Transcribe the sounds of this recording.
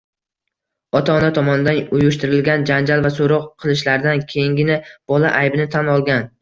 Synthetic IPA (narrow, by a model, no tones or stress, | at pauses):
ɒt̪ʰaɒnat̪ʰɒmɒnɪd̪anʊjʊʃt̪ɪɾɪlɡʲand͡ʒand͡ʒalˠvasoɾɒqʰːɨlˠɪʃlaɾd̪ankʲʰejŋɡʲɪnɪb̥ɒlaʔajbɪnɪt̪ʰanɒlˠɡʲan